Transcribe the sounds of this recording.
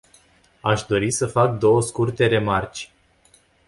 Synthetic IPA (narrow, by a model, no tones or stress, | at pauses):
aʃd̪o̞ɾisəfak̚d̪o̞wəskurt̪e̞ɾe̞mart͡ʃʲ